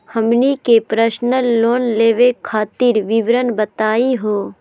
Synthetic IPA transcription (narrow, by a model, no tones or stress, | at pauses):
həmnikepɾəʃnəloːnleːʋekʰːaːt̪iɾʋɪʋɾənbət̪aːiɦoː